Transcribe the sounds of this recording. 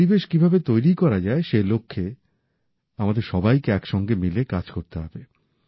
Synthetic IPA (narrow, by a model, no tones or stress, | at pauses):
ibeʃkibʱabet̪ojɾikɔɾad͡ʑaeʃelokʰːe | amad̪eɾʃɔbajkeɛkʃɔŋɡemilekad͡ʑkoɾt̪eɦɔbe